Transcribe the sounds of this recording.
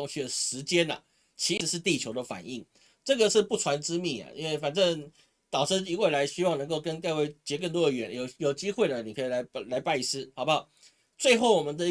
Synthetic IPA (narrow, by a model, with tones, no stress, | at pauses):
ŋɕi˥˩d̪ə˩ʂɻ̩˧˥t͡ɕjɛ˦˥nɐ̰˨ | t͡ɕʰi˧˥˧ʂɻ̩˥˧t̪i˥˩t͡ɕʰjo˧˥ʊd̪ə˨fa̰˨˩ni˥˩ŋ | ʈ͡ʂɤ˥˨˩ɡə˨ʂɻ̩˥˧pu˥˩ʈ͡ʂʰwa˧˥nʈ͡ʂɻ̩˥mi˧˩ŋɐ̰˩ʔḭ˥nwe˥˩ɪfa˨˩nʈ͡ʂə˥˧ŋ | t̪ɑ˨˩ʊʈ͡ʂ̩˥˩i˧˥we˥˩ɪla˧˥ɪɕy˥wɑ˥˩ŋnɤ˧˥ŋko˥˩ʊkə˦˥nk̪a˥˧ɪwe˥˩ɪt͡ɕjɛ˧˥k̬ə˥˧nt̪wɔ˥ə˧ɥɛ˧˨˥njo˨˩ʊjo˨˩ʊt͡ɕi˥xwe˥˩d̪ə˩ni˨˩kʰə˧˥i˨˩la˧˥ɪ˧la˧˥ɪpa˥˧ɪi˧˥sɹ̩˥hɑ˨˩ʊba˦ | t͡swe˥˧ɪxo˥˩ʊwɔ˨˩mə˧˦nd̪ə˧